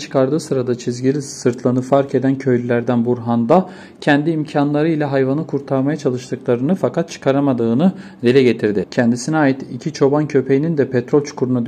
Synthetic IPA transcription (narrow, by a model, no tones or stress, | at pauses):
t͡ʃʰɯ̥kʰaɾd̪ɯːsɯɾad̪at͡ʃʰizɟilʲisɯɾt̪ʰlˠanɯfaɾke̞d̪æncʰø̞jlʲylʲæɾd̪ænbuɾɦand̪a | cʰɛnd̪iːmcʰanlˠaɾɯilʲɛɦajvanɯkʰuɾt̪ʰaɾmajat͡ʃʰalˠɯʃt̪ʰɯklˠaɾɯnɯfakʰat̪̚t͡ʃʰɯ̥kʰaɾamad̪ɯːnɯd̪elʲɛɟet̪ʰiɾd̪ɪcʰɛnd̪isinɛaːjit̪icʰit͡ʃʰo̞bancʰø̞pʰe̞jinind̪ɛpʰɛt̪ɾo̞lʲt͡ʃʰu̥kʰuɾunad̪